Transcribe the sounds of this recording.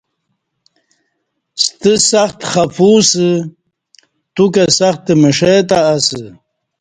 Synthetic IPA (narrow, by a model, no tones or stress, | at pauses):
st̪əsaxt̪χafusə | t̪ukesaxt̪emiʂet̪aːsə